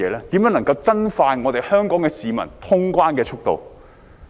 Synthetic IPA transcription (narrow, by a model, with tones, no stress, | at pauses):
ɛː˨˧lɛː˥t̪i˨˥mjœː˨˥n˨˩ŋkɐ˧wt͡sɐ˥nfaː˧jŋɔː˨˧t̪e˨jhœː˥ŋkɔː˨˥ŋkɛː˧siː˨˧mɐ̰˨˩nt̪ʰʊ˥ŋkwaː˥nkɛː˧t͡ʃʰʊ˥k̚t̪o̰˨w